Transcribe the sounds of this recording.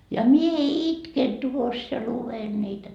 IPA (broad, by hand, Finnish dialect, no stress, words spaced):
jɑ mie itken tuos jɑ luʋen niːtæ